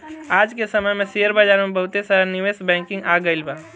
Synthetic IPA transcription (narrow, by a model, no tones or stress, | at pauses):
aːd͡ʒkesɐməjmẽseːəɾbaːd͡ʒaːɾmẽbəɦʊt̪esəəniʋeːsbɛ̃ːŋkɪ̃ŋɡaːɡəɪlbaː